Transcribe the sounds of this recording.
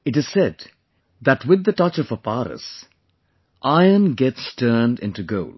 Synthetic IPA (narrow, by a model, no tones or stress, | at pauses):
ɨʈɨz̥sɛd | ðæʈwɪd̪ːəʈʌt͡ʃʌfəpaɾə̰s | ʔaɪə̃nɡɛtstʰɜːnɖɪ̰̃ntuɡoʊl